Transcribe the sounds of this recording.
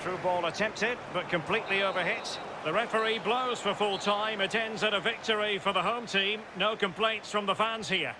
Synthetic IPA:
tʰɹ̥ʉb̥ɔlˠətʰɛ̃mp̚tɪd̚bʌt̚kʰə̃mpʰl̥iˑʔˡlioʊvə˞hɪts | ðəɹɛfə˞ibloʊz̥fə˞fʊlˠtʰãɪ̃mɨtʰɛ̃ndzəɾəvɪk̚tə˞ifəðəɦõʊ̃mtʰĩːm | noʊkə̃mpʰl̥ẽɪ̃ntsfɹə̃mðəfãnz̥hiə

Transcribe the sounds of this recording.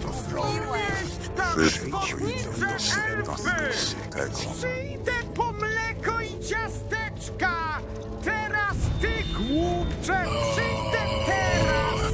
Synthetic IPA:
ɔjɛstt̪avɔd̪ɲiʂɛɛlfɘ | pʂɨjd̪ɛpɔmlɛkɔit͡ɕast̪ɛt͡ʂka | t̪ɛɾast̪ɪɡwupʂɛpʂɨjd̪ɛt̪ɛɾas

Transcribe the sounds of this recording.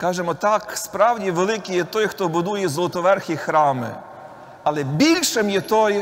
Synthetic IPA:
kɑʒemɔt̪ɑkspɾɑwdʲiʋelˠɪkijɛt̪ɔjxt̪ɔbʊd̪ujɛzlˠɔt̪ɔʋɛrxʲixɾɑmɪ̰ | ɐlˠɛbʲilʲʃɪmjɛt̪ɔj

